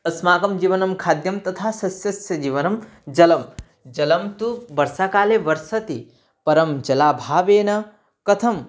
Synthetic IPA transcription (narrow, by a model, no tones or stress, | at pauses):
ɐsmaːɡɐmd͡ʒiːʋɐnɐmkʰaːd̪jɐmt̪ɐt̪ʰaːsɐsjɐsjɐd͡ʒiːʋɐnɐm | d͡ʒɐlɐm | d͡ʒɐlɐmt̪uʋɐɾsaːkaːleʋɐɾsɐt̪i | pɐɾɐmd͡ʒɐlaːbʱaːʋeːnɐ | kɐt̪ʰɐm